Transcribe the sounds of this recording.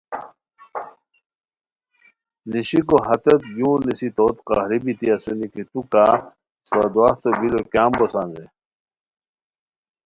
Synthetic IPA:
niɕikoɦɐt̪ɐt̪jũːnisit̪oːt̪qa̰ːhɾibit̪iɐsunikit̪uka | sad̪waːht̪obilokjaːmbosaːnze

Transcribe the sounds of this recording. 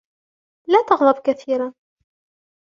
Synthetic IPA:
læːt̪ɑɣðˤɑbkaθiːɾa

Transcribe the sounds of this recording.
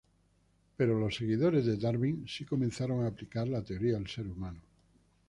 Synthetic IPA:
pe̞ɾolo̞sːe̞ɣ̞iðoɾe̞zðed̪aɾβiŋsikomẽnθaɾo̞ŋaːplikaɾlat̪eoɾiaelseɾumãnu

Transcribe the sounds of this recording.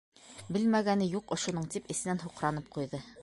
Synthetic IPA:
bɘlmæɡænɘjuqŏʃŏnɤɴt̪ipɘ̆sɘ̆nænɦuqɾɑnɤp̚qujðɤ

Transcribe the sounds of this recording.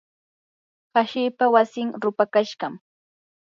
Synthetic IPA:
haʃɪːpawasɪŋɾʊpakaʃɢɑm

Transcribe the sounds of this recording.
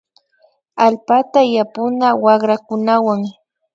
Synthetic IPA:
alpat̪ajapʊnawɑχɾakʊnawaŋ

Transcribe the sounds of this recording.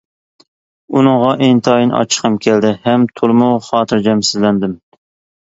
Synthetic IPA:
unɨŋʁɑʔent̪ʰɑːjinʔɑ̰t͡ʃʰə̥qʰəmkʲʰɛld̪ɪhɛmt̪ʰulˠmuwχɑːt̪ʰɨɾd͡ʒɛmsɪzlɛnd̪ɪm

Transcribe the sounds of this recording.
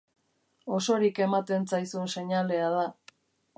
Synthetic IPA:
o̞so̞ɾike̞mat̪e̞nt͡sajsuense̞ɲale̞aða

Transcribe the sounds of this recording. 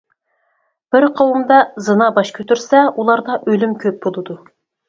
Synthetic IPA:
b̥ɪɾqʰowumd̪ɑzɨnɑbɑʃkʲʰøt̪yɾsɛulˠɑɾd̪ɑʔølymkʲʰøp̚bolˠɨd̪u

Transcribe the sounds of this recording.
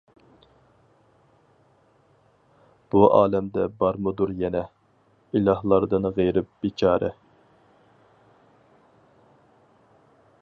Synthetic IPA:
b̥uʔɑːlɛmd̪ɛbɑɾmɨd̪uɾjɛnɛ | ilˠɑhlˠɑɾd̪ɨnʁejɾɪp̚bit͡ʃʰɑːɾʔɛ̰

